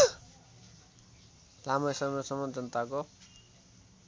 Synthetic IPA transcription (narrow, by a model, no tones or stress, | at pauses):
lamʌjsʌmʌsʌmʌnd͡zʌnt̪ako